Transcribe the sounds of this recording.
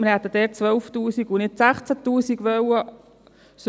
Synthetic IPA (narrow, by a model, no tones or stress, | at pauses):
mɪɾhɛt̪ːəd̪ɛːt͡sʋœwft̪uːsiɡunɪtsæχt͡sæt̪uːsiɡʋœwə | s